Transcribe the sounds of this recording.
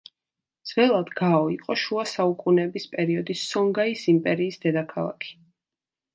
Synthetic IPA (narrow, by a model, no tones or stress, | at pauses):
d̪z̥vɛlˠad̪ɡaɔiqʼɔʃuasaukʼunɛbispʼɛɾiɔd̪isːɔŋɡaisimpʼɛɾiːsd̪ɛd̪akʰalˠa̰kʰi̥